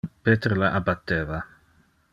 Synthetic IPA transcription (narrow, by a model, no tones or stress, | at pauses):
peːt̪eɾlaʔabat̪ːeːva